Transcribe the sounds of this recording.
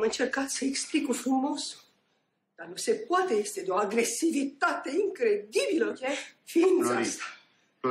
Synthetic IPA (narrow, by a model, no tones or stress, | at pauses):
mɨnt͡ʃerkat̪səeksplikufɾumoso̥ | d̪̥anusepwat̪eest̪ed̪oaɡɾesːivit̪at̪eiŋkɾed̪ibiləkefinzast̪ḁ